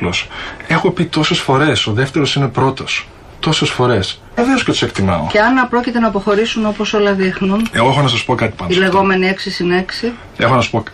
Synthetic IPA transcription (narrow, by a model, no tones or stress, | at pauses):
lose̞xopit̪o̞se̞sfo̞ɾe̞so̞ðe̞ft̪e̞ɾo̞sine̞pɾo̞t̪o̞s | t̪o̞se̞sfo̞ɾe̞s | eve̞oscet̪u̥sekt̪imɐ̰o̰ceɐnɐpɾo̞cit̪e̞nɐːpo̞xo̞ɾisuno̞po̞so̞lɐðixnuneɣoexonɐsɐspo̞kɐt̪i̥pɐnile̞ɣo̞me̞nieksisine̞ksi | e̞xonɐsu̥po̞